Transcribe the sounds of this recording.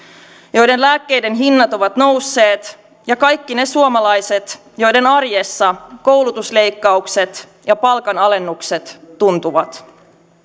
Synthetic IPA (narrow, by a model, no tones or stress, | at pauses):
jo̞jde̞nlæːkːejde̞nɦinːɑt̪o̞ʋɑt̪no̞wsːe̞ːt̪ | jɑkɑjkːine̞suomɑlɑjset̪ | jo̞jde̞nɑrjesːɑkowlut̪usle̞jkːɑukse̞t̪ | jɑpɑlkɑnɑle̞nːukse̞t̪ːunt̪uʋɑt̪